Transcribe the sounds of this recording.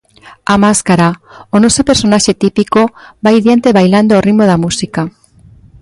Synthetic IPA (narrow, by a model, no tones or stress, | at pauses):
amaskaɾaonosope̞ɾso̞naʃe̞t̪ipikobajðjant̪eβajland̪oːrimoð̞amusika